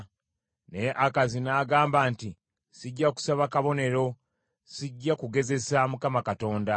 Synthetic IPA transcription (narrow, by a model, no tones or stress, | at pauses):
ne̞ʔakazinaːɡaːmbaːnti | siɟːaku̥saβakaβo̞ne̞ɾo̞ | siɟːakuɡe̞ze̞samukamakato̞ːnda